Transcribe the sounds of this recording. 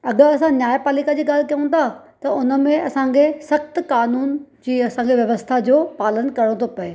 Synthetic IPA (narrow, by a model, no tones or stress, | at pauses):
ɐɠəɐsãnjaːjpaːlikad͡ʑiːɠaːl̤kɐjũnt̪ʰa | t̪ɐʊnə̆mẽɐsãkʰesɐxt̪kaːnuːnd͡ʑiːɐsãŋkʰeʋjɐʋəst̪ʰad͡ʑoːpaːlənkɐɽ̃ot̪ʰopɐeː